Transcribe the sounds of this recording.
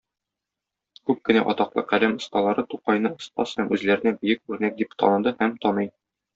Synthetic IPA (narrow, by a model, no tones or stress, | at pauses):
kʉp̚kɘ̆næ̰ʔɒt̪ɑqlˠɤqælæmŏst̪ɑlˠɑɾɤt̪uqɑjnɤŏst̪ɑ̰shæmʉzlæɾɘ̆næbɘ̆jɘk̚ʉɾnæk̚d̪ipt̪ɒ̰nɤ̆d̪ɤhæmt̪ɒnɤj